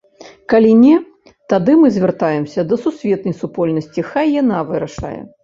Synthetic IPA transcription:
kalʲinʲɛ | t̪ad̪ɨmɨzʲvʲɛrt̪ajɛmsʲɐd̪ɐsusʲvʲɛt̪̚nɐjsupɔlʲnɐsʲt͡sʲixajːanavɨɾɐʂa̰jɛ̰

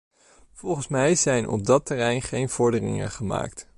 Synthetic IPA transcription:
v̥ɔlˠχənsmɛjzɛjnʔɔ̰b̚dɑtərɛjnχejnv̥ɔɹdərɪ̰ŋə̰χəma̰ːkt

